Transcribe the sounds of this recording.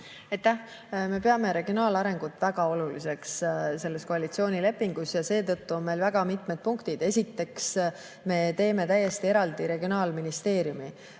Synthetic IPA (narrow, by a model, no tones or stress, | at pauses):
eajt̪ːæ | me̞pe̞ɑme̞ɾe̞ɡ̥io̞nɑːlɑɾe̞ŋɡ̥ut̪ːˑvæɡ̥ɑo̞lulise̞ksse̞lːe̞sko̞ɑlit̪sio̞ːnile̞pːˑiŋɡ̥usjɑse̞ːt̪ɤt̪ːuo̞nme̞jlvæɡ̥ɑmit̪ˑmed̪̥̚puŋkt̪id̪̥e̞sʲit̪ːe̞ks | me̞t̪e̞ːme̞t̪æjːe̞st̪ie̞ɾɑld̪̥iɾe̞ɡ̥ionɑːlminist̪e̞ːɾjumi